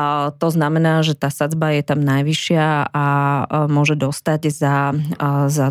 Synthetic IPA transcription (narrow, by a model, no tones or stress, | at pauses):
t̪ɔznamɛnaːʒɛt̪aːsad͡zbajɛt̪amnajʋiʃɪaamʊɔʒɛd̪ɔst̪aɟza | za